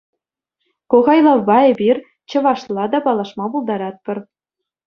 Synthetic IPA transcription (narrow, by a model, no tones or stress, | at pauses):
koʁɑjlˠɑʋbɑebʲirʲ | t͡ɕɤ̆ʋɑʂlˠɑd̪ɑpɑlˠɑʂmɑpulˠd̪ɑɾɑt̪̚pʲɘ̆r